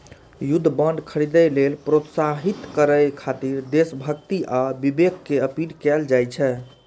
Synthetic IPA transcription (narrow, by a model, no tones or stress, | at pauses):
jud̪ʱːbənɖkʰəɾid̪əlelpɾot̪saɦit̪kəɾəjkʰat̪iɾd̪esbʱəkt̪iʔabibekːeəpilkɛld͡ʒajt͡ʃʰɛ